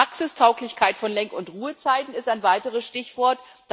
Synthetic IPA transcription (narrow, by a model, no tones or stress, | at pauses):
aksɪstʰaʊklɪçkʰaɪtfɔnlɛŋkʊntʁuːət͡saɪtn̩ɪstaɪnvaɪtəʁəsʃtɪçv̥ɔɐt | d̥